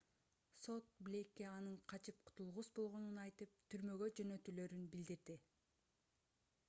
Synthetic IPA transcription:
so̞t̪̚blʲekːeɑnɯɴqʰɑt͡ʃʰɯp̚qʰʊ̥t̪ulˠʁusbo̞lˠʁo̞nunɑjt̪ɯp̚t̪ʰyɾmø̞ɡø̞d͡ʒø̞nø̞t̪yːlø̞ɾynbild̪iɾd̪i

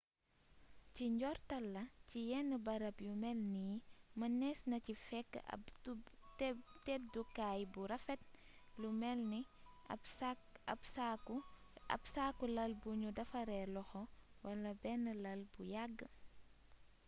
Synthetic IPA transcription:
ciɲɟɔrtɐlːɐcijɛnːəbɐɾɐpjumɛlnijimɐnɛsnɐcifɛkːɐ̰ | ttɛt̚dukajbuɾɐfɛt̚ | lumɛlni | ɐsa | ɐ̰psakulɐlbuɲudɐfɐɾɛlɔxɔwɐlɐbɛnːəlɐlbujaɡːə

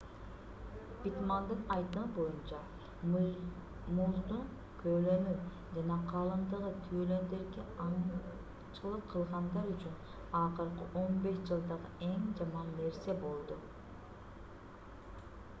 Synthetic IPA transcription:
b̥it̪mɑnd̪ɯnɑjt̪ɯmbo̞junt͡ʃɑ | muzd̪un | kʰølø̞nyp | d͡ʒɑnɑqʰɑlˠɯnd̪ɯʁɯt̪ʰyølø̞nd̪e̞ɾɡeɑ | t͡ʃɯlˠɯp̚qʰɯlˠʁɑnd̪ɑɾyt͡ʃyn | ɑqɯɾqɯʔo̞nbe̞ʃd͡ʒɯlˠd̪ɑʁɯe̞ŋd͡ʒɑmɑnːe̞ɾse̞bo̞lˠd̪u

